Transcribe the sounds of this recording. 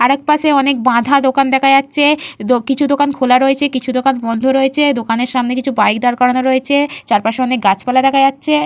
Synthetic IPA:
aɾɛk̚paʃeɔnek̚bãd̪ʱad̪okand̪ɛkʰad͡ʑatːɕʰed̪okit͡ɕʰud̪okankʰolaɾoet͡ɕʰekit͡ɕʰud̪okanbɔnd̪ʱoɾoet͡ɕʰed̪okaneɾʃamnek̬it͡ɕʰubajkd̪aɾkɔɾanoɾoet͡ɕʰet͡ɕaɾpaʃeɔnek̚ɡat͡ɕʰpalad̪ɛkʰajatːɕʰe

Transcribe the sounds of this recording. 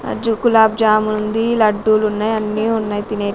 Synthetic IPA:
d͡ʒukulaːb̚d͡ʒaːmuund̪ilɐɖːuːlunːaːjɐnːiːunːaːjit̪ineː

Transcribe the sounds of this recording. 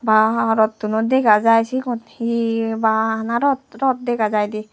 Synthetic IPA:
baɾɔt̪ːunɔd̪ɛkazajsikɔnhibaanaɾɔtɾɔt̚dɛkazajdi

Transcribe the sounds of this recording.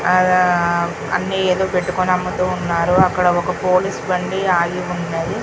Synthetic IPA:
ɐ̰nːiːeːd̪o̞ːpe̞ʈːukunɐmːɐt̪uːunːaːɾuɐkːɐɽɐɔkɐpoːlisbɐɳɖiaːjiund̪eji

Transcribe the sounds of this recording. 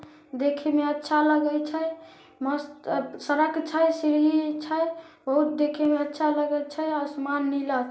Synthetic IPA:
d̪ekʰemeətːʃʰaləɡəjt͡ʃʰəj | məst̪səɾəkt͡ʃʰəjsiɾit͡ʃʰəj | bəɦut̪̚d̪ekʰemeətːʃʰaləɡət͡ʃʰəjəsmanːilət͡ʃʰ

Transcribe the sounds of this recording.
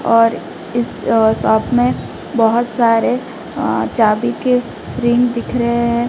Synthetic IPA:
ɔːɾ | ɪs | sɔːpʰmẽ | bəɦʊt̪saːɾe | t͡ʃaːbike | ɾɪ̃ŋɡd̪ɪkʰɾəɦeɦɛ̃

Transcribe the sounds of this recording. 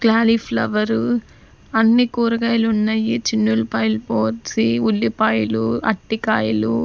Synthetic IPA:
klaːlifʰlɐʋɐɾu | ɐnːikuːɾɐɡaːjlunːɐjit͡ʃinːuɾupaːjlupoːʋɐsiulːipaːjluɐ̰ʈːikaːjɐlu

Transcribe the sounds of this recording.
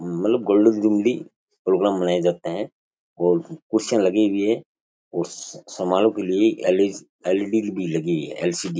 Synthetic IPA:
mɐt̪ləb̚ɡoːɭɖənd͡ʒumli | pɾoːɡɾaːmːɐnaːjed͡ʒaːt̪eɦɛ̃ | ɔːɾkʊɾsãlɐɡebʱiɦɛ | ɔːɾsɐmaːlõkelieeled͡ʒ | eːlɖilbʱilɐɡiɦɛ̰ɛ̰ːlsiɖi

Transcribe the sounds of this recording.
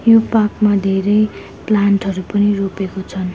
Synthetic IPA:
jopakmad̪ʱeɾʌj | planʈɦʌɾupʌniropekot͡sʰʌn

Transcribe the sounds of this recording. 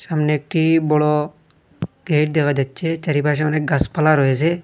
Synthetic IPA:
samneːk̚ʈibɔɽɔ | ɡejʈ̚d̪ekʰad͡ʒatːt͡ʃet͡ʃaɾipaʃ̬aɔnek̚ɡaspalaɾɔjes̬e

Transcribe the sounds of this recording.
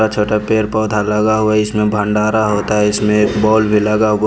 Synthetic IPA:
at͡ʃʰoːʈapeːɾpɔːd̪ʱaləɡaɦʊaɪsmẽbʱə̃ɳɖaːɾaɦoːt̪aɦɛɪsmẽbɔːlbʱiləɡaɦʊ

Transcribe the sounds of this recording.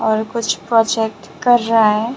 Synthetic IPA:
ɔːɾkʊt͡ʃʰpɾɔːd͡ʒɛk̚ʈ | kɐɾːaɦaɦɛː

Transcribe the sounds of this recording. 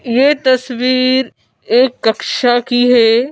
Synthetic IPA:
jeːt̪ɐsʋiːɾ | eːkːɐkʃakiɦɛː

